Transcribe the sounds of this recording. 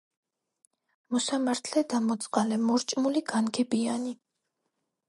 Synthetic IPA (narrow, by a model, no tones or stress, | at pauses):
mɔsamaɾt̪ʰlɛd̪amɔt̪sʼqʼalɛmɔɾt͡ʃʼmuliɡanɡɛbiani